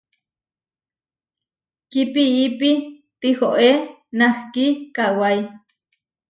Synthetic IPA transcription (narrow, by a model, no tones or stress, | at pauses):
kipiipi | t̪ihoʔenahkikawaj